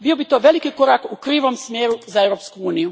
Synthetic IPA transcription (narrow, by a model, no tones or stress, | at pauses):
bio̞bit̪o̞ʋe̞likiko̞ɾakukɾiːʋomsmjeːɾuzae̞ʋɾopskuuːniju